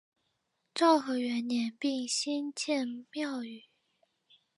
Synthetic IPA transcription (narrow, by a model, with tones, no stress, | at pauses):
ʈ͡ʂɑ˥˩ʊxɤ˧˥ɥɛ˧˥nnjɛ˧˥npi˥˩ŋɕi˥nt͡ɕʰjɛ˥˧nmjɑ˥˧ʊy˨˩˦